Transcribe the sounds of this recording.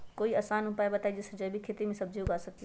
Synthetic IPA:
koːiɐːsaːnʊpaːebɐt̪aːid͡ʒɪsd͡ʒəbʱikʰeːt̪imẽsɐbd͡ʒoɡaːsɐk̚t̪

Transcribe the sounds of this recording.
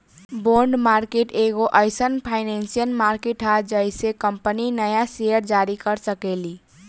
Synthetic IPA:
boɳɖmaɾkeʈeɡoʔəɪsənpʰaɪnensijəlmaɾkeʈɦad͡ʒəɪsekəmpəninəjasejəɾd͡ʒaɾikəɾsəkeli

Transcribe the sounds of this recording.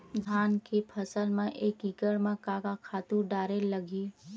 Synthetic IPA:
d̪ʱaːnkepʰəsəlmẽʔeːkikəɾmẽkaːɡakʰaːt̪uɖaːɾeləɡiː

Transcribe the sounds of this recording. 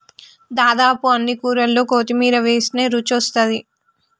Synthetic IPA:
d̪aːd̪aːpuɐnːikuːɾɐlːo̞ːkoːt̪imiːɾɐʋeːsine̞ːɾut͡ʃɔst̪ɐd̪i

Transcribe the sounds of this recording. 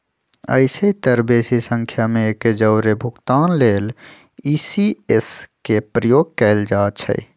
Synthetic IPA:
ə̰ɪseit̪əɾbeːsisə̃ŋkʰjamẽked͡ʒəʊɾebʱʊkt̪aːnleːl | iːsieskepɾəjoːɡ̚kɛɪld͡ʒaːt͡ʃʰə̰j

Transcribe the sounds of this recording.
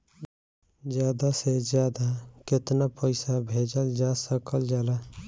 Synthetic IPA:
d͡ʒjad̪ased͡ʒjad̪aket̪napəɪsabʱed͡ʒəld͡ʒasəkəld͡ʒala

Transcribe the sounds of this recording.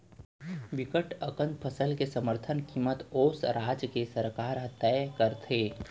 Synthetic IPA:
ʋɪkəʈəkə̃nt̪̚pʰəsəlkesəməɾt̪ʰənkiːmət̪oːsɾaːd͡ʒkesəɾkaːɾɦɐt̪ːɛjkəɾt̪ʰeː

